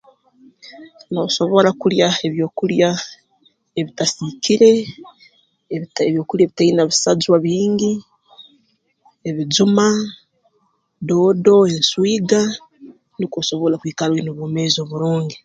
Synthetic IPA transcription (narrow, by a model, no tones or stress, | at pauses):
noːso̞βo̞lakuljae̞βjo̞ːkulja | eβitasikʰiɾe̞ | eβjo̞ːkuljaβitainaβisazwaβiːŋɡi | eβizuma | do̞ːdo̞e̞nswiːɡa | nikoso̞βo̞lakwiːkalwenoβwoːmeːzo̞βuɾuːŋɡi